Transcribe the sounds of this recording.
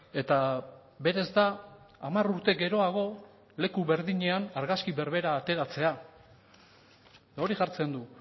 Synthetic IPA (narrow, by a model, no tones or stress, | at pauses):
e̞t̪a | be̞ɾe̞zd̪aː | maruɾt̪e̞ɡe̞ɾo̞aɣ̞o̞ | le̞kuβe̞ɾðiɲe̞anaɾɣaskiβe̞ɾβe̞ɾaːt̪e̞ɾat͡se̞a | o̞ɾiʝaɾt͡se̞nd̪u